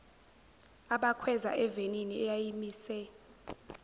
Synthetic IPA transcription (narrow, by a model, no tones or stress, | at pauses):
aɓakʰwɛza̰ʔɛveniniɛjajimiːsɛ